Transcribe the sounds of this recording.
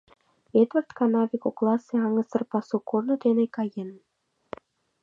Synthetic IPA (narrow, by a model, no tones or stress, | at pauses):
et̪vərt̪kɑnɑvʲikoklˠɑseɑŋɤ̆sɤ̆rpɑsukornɤ̆d̪enekɑjen